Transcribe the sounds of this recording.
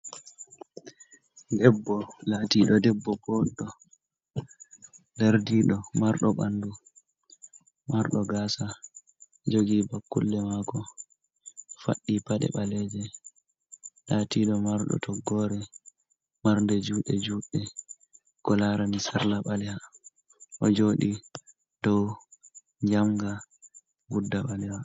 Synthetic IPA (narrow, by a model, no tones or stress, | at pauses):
dɛbːɔlatiɗɔdɛbːɔbɔɗːɔ | daɾdiːɗɔmaɾɗɔɓandu | maɾɗɔɡaːsa | d͡ʒoɡibakːṵlːɛmakɔ | fa̰ɗːipaɗɛ̰ɓalɛd͡ʒɛ | ɗatiɗɔmaɾɗɔ̰tʰɔɡːɔːɾɛ | maɾndɛd͡ʒuːɗɛd͡ʒuːɗɛ | kɔlaɾanisaɾlaɓalɛha | ʔɔd͡ʒoɗi | d̥ɔw | ɲd͡ʒamɡa | budːaɓalɛwa